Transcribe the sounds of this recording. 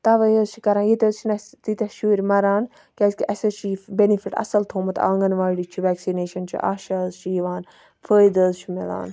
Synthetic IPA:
t̪ɐʋəjəzt͡ʃʰi̥kɐɾaːnjit̪ʲɐzt͡ʃʰinɐt̪it̪ʲɐʃuɾʲmɐɾaːn | kʲɐːskiʔɐsɐt͡ʃʰibenifiʈɐ̰sɐlt̪ʰoːmɐt̪ã̰ːŋɡɐnʋaːɖit͡ʃʰiʋɛːksineːʃɐnt͡ʃʰḭʔa̰ːʃɐzt͡ʃʰijiʋaːn | fʰəːjd̪əzt͡ʃʰimḭla̰ːn

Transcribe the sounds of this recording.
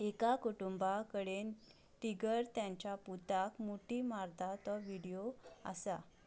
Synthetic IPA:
ekakuʈumbakəɽen | ʈiɡəɾt̪jãɲt͡ɕjaput̪akmuʈiːmaɾd̪ʱat̪ɔʋiɽijoa̰sa

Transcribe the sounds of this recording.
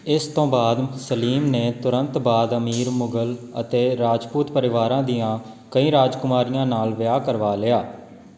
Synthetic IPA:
ɪst̪õːbaːd̪səliːmneːt̪ʊɾənt̪baːd̪əmiːɾmʊɡələ̰t̪eːɾaːd͡ʒpuːt̪pəɾɪʋaːɾãːd̪ijãː | kəĩːɾaːd͡ʒkʊmaːɾijãːnaːlʋɪjaːkəɾʋaːlɪːaː

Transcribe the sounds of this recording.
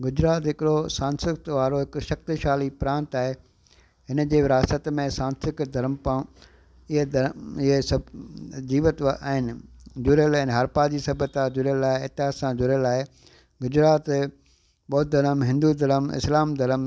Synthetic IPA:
ɡʊd͡ʑɾaːt̪ɦɪkɪɽosãːnsɪt̪ʋaːɾoɦɪkʃɐk̚t̪iʃaːlipɾãːnt̪aːɦe | ɦɪnəd͡ʑeːʋɪɾaːst̪ət̪mẽsãːnsɪkd̪ʱɐɾəmpã | ɪɦed̪ɪɦesɐd͡ʑiːʋət̪a̰ːɦɪnɪ̆d͡ʑʊɾjəlɛ̃ːnɦɐɾpad͡ʑiːsɐbət̪ad͡ʑʊɾjəlaːɦeeːt̪ɪɦaːsãd͡ʑʊɾjəlaːɦe | ɡʊd͡ʑɾaːt̪ | ɓɔːt̪̚d̪ʱɐɾəmɦɪ̃nd̪ud̪ʱɐɾəmɪ̰slaːmd̪ʱɐɾəm

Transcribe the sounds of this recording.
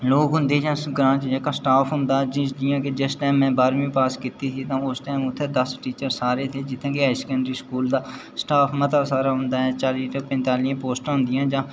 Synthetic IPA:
loːkɦʊ̃nd̪eːd͡ʒãːɡɾãːt͡ʃd͡ʒeːkaːsʈaːpʰɦʊ̃nd̪aːd͡ʒɪd͡ʒɪjãːked͡ʒesʈɛːmːɛ̃ːbaːɾmĩːpaːskɪt̪iːsiːt̪ãːʊsʈɛːmʊt̪ʰːeːd̪əsʈiːt͡ʃəɾsaːɾeːt̪ʰeːd͡ʒɪt̪ʰːẽːkeaːɪskə̃ɳɖɾiːskuːld̪aːsʈaːpʰmət̪aːsaːɾaːɦʊnd̪aːɦɛːt͡ʃaːliːʈəpɛ̃nt̪aːlijãːpoːsʈaːɦʊ̃nd̪ɪjãːd͡ʒãː

